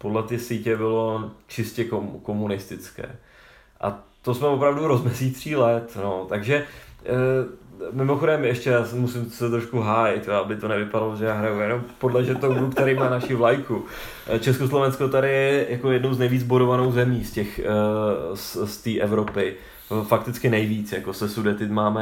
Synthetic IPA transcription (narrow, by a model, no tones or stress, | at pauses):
po̞dlɛt̪ɪsiːcɛbɪlo̞t͡ʃɪscɛkomko̞munɪst̪ɪt͡skɛ̰ː | ʔa̰t̪osmɛvo̞pɾavduɾo̞zmɛsit̪r̝iːlɛt̪no̞t̪aɡʒɛ | mɪmo̞xo̞dɛmɛʃcɛjaːsmusɪmsɛt̪ɾoʃkuɦaːjɪt̪joabɪt̪o̞nɛvɪpadaloʒɛjaːɦɾajujɛno̞mpodlɛʒɛt̪owɡukt̪ɛɾɛjmaːnaʃɪvlajku | t͡ʃɛskoslo̞vɛnsko̞t̪aɾɪjɛjakojɛdno̞wznɛjviːd͡zboɾovano̞wzɛmiːscɛx | sst̪iːʔɛvɾo̞pɪ | fak̚t̪ɪt͡skɪnɛjviːt͡sjakosɛsudɛt̪ɪt̪maːmɛ